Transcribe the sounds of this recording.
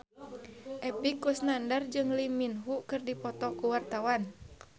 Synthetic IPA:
ʔɛpikusnandard͡ʒɨŋliminɦukɨrdipɔt̪ɔkuwart̪awan

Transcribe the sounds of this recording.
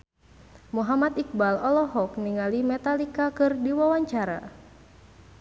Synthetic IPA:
muɦamat̪ik̚balɔlɔɦɔk̚niŋalimɛt̪alikakɨrdiwawaɲt͡ʃaɾa̰

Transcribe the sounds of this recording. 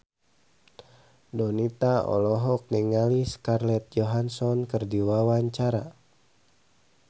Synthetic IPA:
dɔnit̪aɔ̰lɔɦɔk̚niŋaliskarlɛt̪̚d͡ʒɔɦansɔnkɨrdiwawaɲt͡ʃaɾa

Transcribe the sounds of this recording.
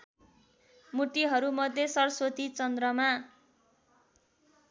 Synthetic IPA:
muʈiɦʌɾumʌd̪ʱjesʌrʌsot̪it͡sʌnd̪rʌma

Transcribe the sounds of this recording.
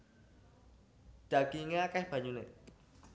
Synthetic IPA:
d̥aɡ̥iŋeakahb̥aɲune

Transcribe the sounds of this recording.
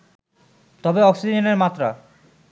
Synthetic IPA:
t̪ɔbeɔksid͡ʑeneɾmat̪ːɾa

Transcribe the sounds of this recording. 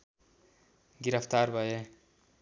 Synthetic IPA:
ɡiɾəft̪aɾbʱʌje

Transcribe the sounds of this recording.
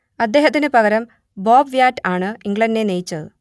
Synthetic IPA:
ɐd̪ːe̞ːɦɐt̪ːinɨpɐɣɐɾɐm | boːbʋjaːtːaːɳɨiŋɡɭɐndne̞nejit͡ɕːɐðɨ

